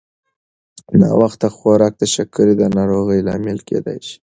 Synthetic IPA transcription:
nɑ̰waxt̪axoɾɑk̚d̪əʃakːəɾid̪ənɑɾoɣəjlɑ̰mɪlkḛd̪a̰jʃi̥

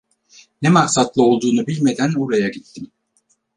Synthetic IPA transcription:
nɛmaksat̪lˠɯo̞lˠd̪uːnubilʲme̞d̪ænuɾajaɟit̪ːim

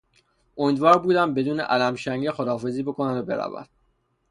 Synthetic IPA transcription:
ʔomid̪vɒːɾbuːd̪æmbe̞d̪uːnḛʔælæmʃæŋɡexod̪ɒːfe̞ziːbo̞kʰonæd̪obe̞ɾæ̰væ̰d̪̥

